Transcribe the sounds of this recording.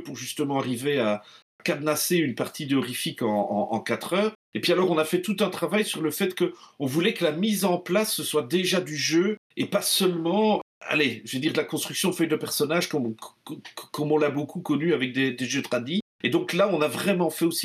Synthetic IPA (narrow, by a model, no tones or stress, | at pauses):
puʁʒyst̪əmɑ̃aʁivea | kad̪naseynpaʁt̪id̪eɔʁifikɑ̃ɑ̰̃ɑ̰̃kat̪χœːʁ | epɥialɔʁɔ̃nafɛt̪ut̪ɛ̃t̪χavajsyʁləfɛt̪kəɔ̃vulɛkəlamizɑ̃plasːəswad̪eʒad̪yʒø | epasəlmɑ̃a̰leʒəved̪iːʁd̪əlakɔ̃st̪χyksjɔ̃fœjd̪əpɛʁsɔnaʒkɔmkkɔmɔ̃labokʰukɔnyavɛk̚d̪ed̪eʒøt̪χad̪i | ed̪ɔ̃klaɔ̃navʁɛmɑ̃fɛosi̥